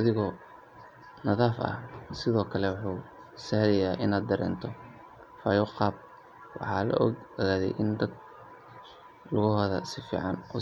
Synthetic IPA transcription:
ʔɐðɪɣɔ | nɐðaːfʔɐ̰hsɪðɔːkʰɐlɛwʊħuː | sɐhlɐjaːʔɪnaːd̪̚d̪ɐɾɛ̰ːnt̪ʰɔ | faːjɔqɑːb̚ | wɑ̰ħɑ̰ːlɐ̰ʔɡɔɣaːðɛ̰jʔɪnd̪ɐɡ̪̚ | lʊɣʊhɐðɐsɪfḭːʕɑnɔ

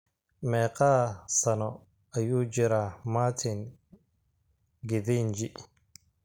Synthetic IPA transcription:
mɛːqaːsɐnɔ | ɐjuːd͡ʒɪɾaːmaːt̪ʰɪn | ɡɪðind͡ʒɪ

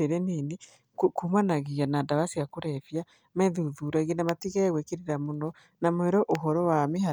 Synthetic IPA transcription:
eɾɛnini | kkumanaɣianadaβasiakuɾɛfja | mɛðuðuɾaɣenamatiɣajaɣwekeɾiɾamonɔ | namwɛɾɔʔoɦɔɾɔwameɦa

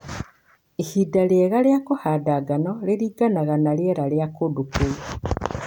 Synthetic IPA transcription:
ihidaljeɣalejakohaːdaɡanɔleɾiːɡanaɣanaljeɾaljakodukui

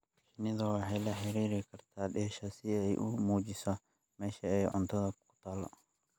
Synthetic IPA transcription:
kɪnɪðɐwɑħɛjlɐħɪɾiːɾɪkʰɐrt̪ʰaːɗɛːʃɐsɪɛjʔʊmuːt͡ʃɪsɔ | mɛːʃɐɛjʕʊ̰nt̪ʰɐðɐkʰʊ̥t̪ʰaːlɔ̰

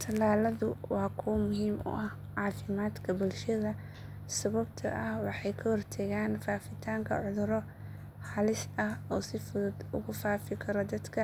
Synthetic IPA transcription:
t̪ʰɐlaːlɐðʊwɑːkʰʊwmʊɦiːmʊ̰ʔɐh | ʕɑːfɪmaːd̪kʰɐbʊlʃɐðɐ | sɐβɐbt̪ʰɐ̰ʔɐhwɑħɑjkʰɐhɔrt̪ʰɐɣaːnfaːfɪt̪ʰaːŋkʰɐ̰ʕʊðʊɾɔ | hɑlɪsɐhɔːsɪfʊðʊd̪ʊɣʊfaːfɪkʰɐɾɔd̪ɐd̪kʰɐ

